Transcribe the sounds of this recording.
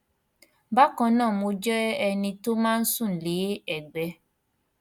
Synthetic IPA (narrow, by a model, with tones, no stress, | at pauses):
ba˦kɔ̃˧nãː˦˨mo˧d͡ʒɛ˦ɛ˧nĩ˧to˦mãː˦n̩˦sũ˦˨n̩˨le˨˦ɛ˨ɡ͡bɛ˧˦